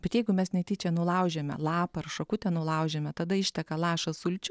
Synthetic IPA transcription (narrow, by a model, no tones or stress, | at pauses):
bʲɛt̪jɛɪɡʊmʲɛsnʲɛɪt̪ʲiːt͡ʃʲɛnʊlˠɐʊʒʲɛmʲɛ̰lˠɑːppɐɐrʃokʊt̪ʲɛnʊlˠɐʊʒʲɛmʲɛt̪ɐd̪ɐɪʃʲt̪ʲɛkɐlˠɑːʃɐsʊlʲt͡ʃʲʊ